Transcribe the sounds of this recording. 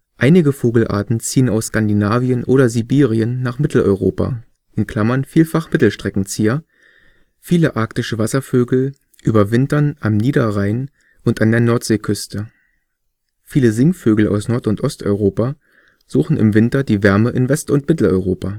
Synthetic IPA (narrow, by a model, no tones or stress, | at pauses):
ʔaɪnɪɡəfoːɡl̩ʔa̰ːɐtn̩t͡siːənaʊskandinaːviənʔoːɾɐzibiːʁiənːaːχmɪtl̩ʔɔ̰ʏʁoːpa̰ | ʔɪnkl̥amɐnfiːlfaχmɪtl̩ʃtʁ̥ɛkŋ̩t͡siːɐ | fiːləʔaɐktɪʃəvasɐføːɡl̩ | ʔyːbɐvɪntɐnʔamniːdɐʁaɪn | ʔʊntʔandeːɐnɔɐtz̥eːkʰʏstə | fiːləzɪŋføːɡl̩a̰ʊsnɔɐtʊntʔɔstʔɔ̰ʏʁoːpa | z̥uːxn̩ʔɪ̰mvɪntɐdiːvɛɐməʔɪnvɛstʊntmɪtl̩ɔ̰ʏʁoːpaː